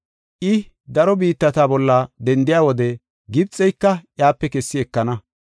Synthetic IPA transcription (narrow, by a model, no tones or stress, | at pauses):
ʔɪ | d̪ɐɾɔbiːt̪ːɐt̪aːbɔlːɐd̪ɛnd̪ɪjaːwɔd̪ɛ | ɡɪbt͡sʼːɛjkːɐʔjaːpːɛkɛsːɪɛkːɐnɐ